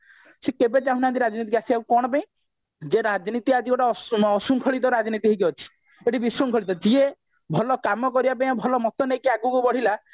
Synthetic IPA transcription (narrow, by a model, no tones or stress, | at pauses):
sekebet͡ʃaɦũnãnt̪̬iɾad͡ʒɔnit̪ikasiaũkɔɽ̃ɔpaĩ | d͡ʒeɾad͡ʒnit̪iad͡ʒiɡɔʈaɔɔsuŋkʰɔɭit̪̬ɔɾad͡ʒnit̪iɦikiɔt͡ʃʰi̥ | eʈibisuŋkʰɔɭit̪ɔd͡ʒie | bʱɔlɔkamɔkɔɾibapãj̃abʱɔlɔmɔt̪ɔnejkiaɡukubɔɽ̤ila